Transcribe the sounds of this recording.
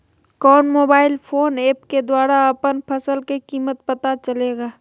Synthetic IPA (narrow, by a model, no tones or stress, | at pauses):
kɔːnmoːbaːɪlpʰoːneːpked̪waːɾaɐpənpʰəsəlkekiːmət̪̚pɐt̪at͡ʃəleːɡaː